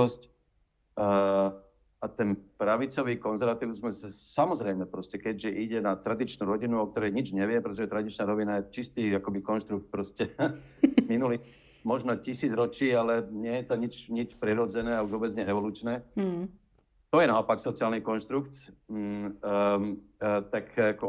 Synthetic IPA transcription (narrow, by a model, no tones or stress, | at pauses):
scː | at̪ɛnpɾaʋit͡sɔʋiːkɔnzɛɾʋat̪iʊzmɛssamɔzɾɛjmɛpɾɔscɛkɛɟʒɛʔiɟɛnat̪ɾad̪it͡ʃnuɾɔɟinuɔk̚t̪ɔɾɛjɲid͡ʒɲɛʋɪɛpɾɛt̪ɔʒɛt̪ɾad̪it͡ʃnaɾɔʋinajɛt͡ʃist̪iːakɔbikɔnʃt̪ɾuk̚t̪̚pɾɔscɛ | minuli | mɔʒnɔcisiːd͡zɾɔt͡ʃiːalɛɲɪɛjɛt̪ɔɲit͡ʃɲit͡ʃpɾiɾɔd͡zɛnɛːauʒʋɔbɛd͡zɲɛɛʋɔluːt͡ʃnɛː | t̪ɔjɛnaɔpaksɔt͡siaːlnikɔnʃt̪ɾukt̪ | t̪akakɔ